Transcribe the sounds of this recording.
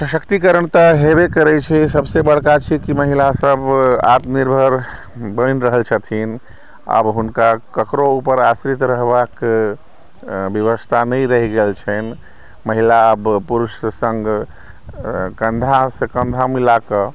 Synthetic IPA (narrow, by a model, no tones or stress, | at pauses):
səʃəkt̪ikəɾəɳt̪aɦebekəɾɛt͡ʃʰisəbsebəɽ̤kat͡ʃʰikiməɦilasəba̰t̪niɾbʱəɾ | bəjnɾəɦəlt͡ʃʰət̪ʰin | ə̰bɦunkakəkɾoupəɾasɾit̪ɾəɦbak | bjəʋəst̪ʰanəjɾəɦiɡelt͡ʃʰɛn | məɦilaəbpuɾuʃsə̃ŋɡ | kə̃nd̪ʱasekə̃nd̪ʱamilakə